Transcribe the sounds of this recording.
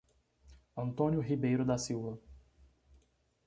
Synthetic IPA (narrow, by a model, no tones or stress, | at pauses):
ɐ̃nt̪õnjʊɦibejɾʊd̪ɐsiwvɐ